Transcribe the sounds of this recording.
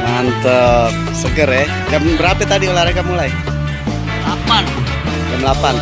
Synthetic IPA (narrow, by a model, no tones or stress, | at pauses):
aant̪ə | səɡəɾɛ | d͡ʒambəɾapɛt̪adiolahɾaɡamulaj | lapan | d͡ʒamlapan